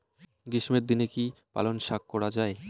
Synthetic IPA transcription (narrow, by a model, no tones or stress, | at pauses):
ɡiʃmeɾd̪inekipa̰lonʃakːɔɽad͡ʑae